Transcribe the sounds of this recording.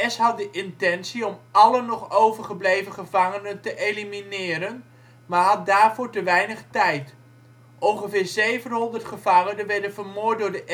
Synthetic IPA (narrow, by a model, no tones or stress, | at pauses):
ɛsɦɑt̚dəʔɪntɛnsiɔmɑlənɔχowvəɹχəblejvəχəvɑŋənəntəʔejliminɪːɾən | maːɦɑt̚daːɹvʊːɹtəʋɛjnəχtɛjt | ʔɔŋχəvɪːɹzejvənɦɔndərtχəv̥ɑŋənənʋɛɹdənvəɹmʊːt̚dʊːɹdəʔ